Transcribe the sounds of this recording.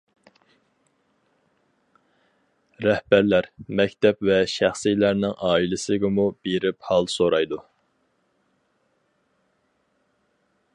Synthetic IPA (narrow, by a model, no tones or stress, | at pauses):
ɾɛhbæɾlæɾmɛkʲt̪ʰɛpvɛʃæχsijlæɾnɪŋʔɑːilɪsɪɡʲɪmubeɾɪphɑlˠsoɾɑjd̪u